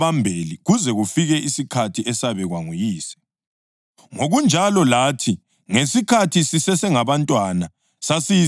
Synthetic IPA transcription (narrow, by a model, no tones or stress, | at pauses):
βambʱeliɣuzɛɣufiɣɛʔisikʰatʰiʔɛsaβɛɣwaŋujiːsɛ̥ | ŋoɣund͡ʒʱalɔlaːtʰi | ŋesikʰatʰisisɛsɛŋaβantʼwana | sasi